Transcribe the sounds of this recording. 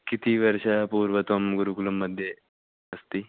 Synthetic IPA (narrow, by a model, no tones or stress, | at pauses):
kit̪iʋɐɾʃapuːɾʋɐt̪ɐmɡuɾukulumːɐd̪ʱje | ɐst̪i